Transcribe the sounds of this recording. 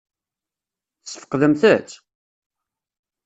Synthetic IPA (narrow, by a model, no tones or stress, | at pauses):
θsə̥fə̥qðəmθət͡sː